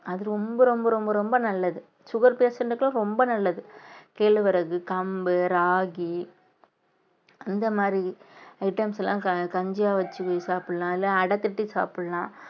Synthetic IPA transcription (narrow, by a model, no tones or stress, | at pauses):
ɐðɯɾɔmbɐɾɔmbɐɾɔmbɐɾɔmbɐnɐlːɐðɯ | sʊɣɐɾpeːsɐɳɖɯkːɐlʊ̃ɾɔmbɐnɐlːɐðɯkeːɭʋɐɾɐɣɯkɐmbɯɾaːɣi | ɐnd̪ɐmaːd̪ɾiɐɪʈːɐmsɛlːãːɐkɐɲd͡ʒaːʋɐt͡ʃːɯkːɯsaːpɯɽɐlãːɪlːãːɐɽɐt̪ːɯʈːɯsa̰ːpɯɽɐlãː